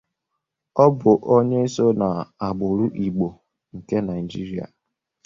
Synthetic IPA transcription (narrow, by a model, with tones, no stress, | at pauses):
ɔ˦bʊ˨ʔo˦ɲe˦i˦so˦na˨a˨ɡ͡bʊ˨ɾʊ˦ʔi˨ɡ͡bo˨ | ŋ̩˨ke˦na˨ɪi˨d͡ʒi˦ɾi˦a̰˨